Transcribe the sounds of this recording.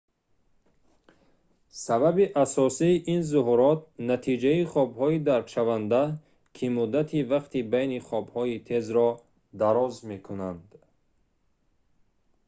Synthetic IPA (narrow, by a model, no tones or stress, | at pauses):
sababiʔasɔsiːʔinzuɦuɾɔt̪̚nat̪ʰid͡ʒaiχɔbhɔid̪aɾkʃavand̪a | kʰimud̪at̪ʰivaqt̪ibajniχɔbhɔit̪ʰe̞zɾɔ | d̪aɾɔzme̞kʰunand̪